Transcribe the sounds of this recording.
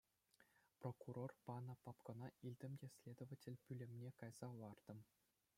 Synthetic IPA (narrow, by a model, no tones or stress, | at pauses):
prokurorpɑnɤ̆pɑpkɤ̆nɑilʲd̪ʲɘ̆mdʲesʲlʲed̪ŏvatʲelʲpʲylʲɘ̆mnʲekɑjz̥ɑʋɑrd̪̥ɤ̆m